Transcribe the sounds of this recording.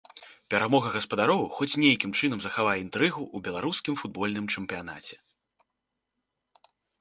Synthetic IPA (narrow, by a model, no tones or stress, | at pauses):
pʲɛɾamɔɣɐɣɐspɐd̪aɾɔwxɔt͡sʲnʲejkʲimt͡ʂɨn̪ɐmzɐxavajɛint̪ɾɨɣuʔubʲɛlˠaɾuskʲimfud̪̚bɔlʲnɨmt͡ʂɛmpʲijana̰t͡sʲɛ̥